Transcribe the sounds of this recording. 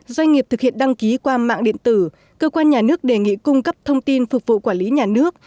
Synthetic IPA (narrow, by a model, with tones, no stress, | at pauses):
zwa˧jŋ̟ŋi˨˩p̚t̪ɨ˨k̚hi˧˨ənɗa˧ŋki˨˦kwaː˧ma̰ː˧˨ŋɗḭ˧˨ənt̪ɨ˧˩ | kəː˧kwaː˧nɲaː˨˩nɨ˦˥ək̚ɗe˨˩ŋḭ˧˨kʊ˧ŋ͡mkə˦˥p̚t̪ʰə˧wŋ͡mt̪i˧nfʊ˨˩k͡p̚vṵ˧˨kwaː˧˩nli˨˦ɲaː˨˩nɨ˦˥ək̚